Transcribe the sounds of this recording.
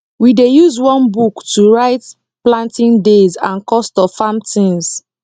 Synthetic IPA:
widejuzwɔ̃nbuktuɹaɪt | plãntĩndezãnkɔstɔfamtĩns

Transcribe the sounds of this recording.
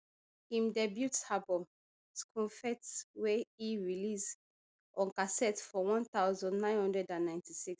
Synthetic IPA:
hĩmdɛbjutshabɔ | skʰɔ̃fɛtswɛiɹilis | ʔɔ̃nkasɛtfɔwɔ̃nt̪aʊzɔ̃ndnãɪ̃nhɔ̃ndɹɛdãnːãɪ̃ntisiks

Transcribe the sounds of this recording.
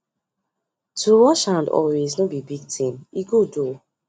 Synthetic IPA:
tʰuwɔʃãndɔ̰weznobibiɡ̚tʰĩniɡodo

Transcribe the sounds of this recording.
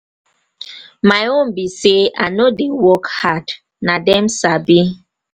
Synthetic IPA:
maɪõmbisea̰nodewɔkhad | nadɛmsabi

